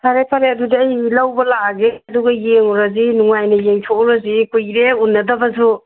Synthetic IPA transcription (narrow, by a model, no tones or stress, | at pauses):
sʰaɾepʰaɾeɐdudiːjlawbɐlaɡeduɡɐjeŋɔɾazinuŋajnɐjeŋtʰouɾazikujɾeunːɐdɐbɐzu